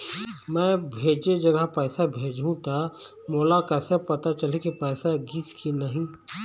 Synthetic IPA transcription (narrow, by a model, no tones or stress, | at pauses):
mɛ̃ːbʱeːd͡ʒed͡ʒɐɡəɦpɛːsabʱeːd͡ʒʱũt̪a | moːlakɛːsepɐt̪at͡ʃəlekipɛːsaɡiskʰinɐɦĩ